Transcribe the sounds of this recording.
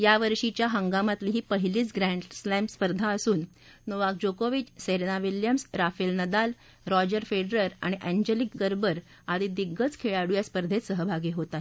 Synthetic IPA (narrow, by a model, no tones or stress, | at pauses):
jaʋəɾʂit͡ɕjaɦəŋɡamat̪liɦiːpəɦiliːt͡sɡɾæɳɖslæmpspəɾd̪ʱaəsuːn | noʋak̚d͡ʑokoʋit͡ɕseɾnaʋiljəmsɾafelnəd̪al | ɾɔd͡ʑəɾfeɖɾəɾa̰ɽ̃iʔɛɲd͡ʑelikɡəɾbəɾ | ad̪iːd̪iɡːət͡skʰeɭaɽujaspəɾd̪ʱetsəɦəbʱaɡiɦot̪a